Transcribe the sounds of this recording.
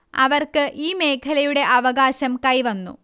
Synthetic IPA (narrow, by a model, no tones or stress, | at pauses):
ɐ̰ʋɐrkɨʔiːme̞ːkʰɐlɐjuɽe̞ʔɐʋɐɣaːɕɐmkɐjʋɐnːṵ